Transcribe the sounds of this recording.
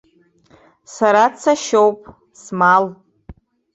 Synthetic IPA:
saɾat͡sʰaʃowpʼ | smal

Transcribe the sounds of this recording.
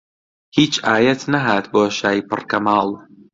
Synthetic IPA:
hiːt͡ʃaːjɛt̪nɐɦaːt̪boːʃaːjipɨ̰rkɐmaːlˠ

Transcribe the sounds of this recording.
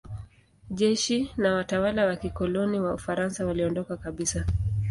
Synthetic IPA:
ʄɛʃinawatawalawakikɔlɔniwaufaɾansawaliɔndɔkakaɓisa

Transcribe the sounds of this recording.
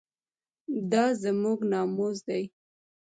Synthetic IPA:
d̪ɑzamuɡnɑmozd̪aj

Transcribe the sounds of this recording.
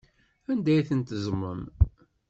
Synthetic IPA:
ænd̪æjθənt̪əzmːən

